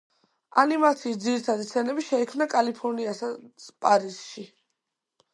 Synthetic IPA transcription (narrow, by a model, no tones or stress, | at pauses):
animat̪sʰiːsd̪ziɾit̪ʰad̪ist̪sʰɛnɛbiʃɛikʰmnakʼalipʰɔɾniasapʼaɾisʃi